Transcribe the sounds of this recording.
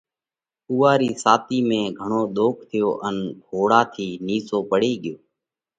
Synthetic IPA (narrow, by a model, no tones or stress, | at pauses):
uːaːɾiːsaːt̪iːmẽːɡʱəɳoːɗ̪oːkʰt̪ʰɪjoːʔənbʱoːɽaːt̪ʰiːniːsoːpəɽiːɠɪjoː